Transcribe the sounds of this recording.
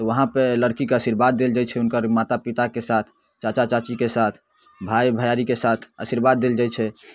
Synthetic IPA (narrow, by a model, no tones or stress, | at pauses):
t̪ɔʋəɦãpeləɾkikəsiɾbad̪̚ːeld͡ʒajt͡ʃʰɛunkəɾmat̪apit̪akesat̪ʰ | t͡ʃat͡ʃat͡ʃat͡ʃikesat̪ʰ | bʱajbʱəjaɾikesat̪ʰəsiɾbad̪̚ːeld͡ʒat͡ʃʰɛ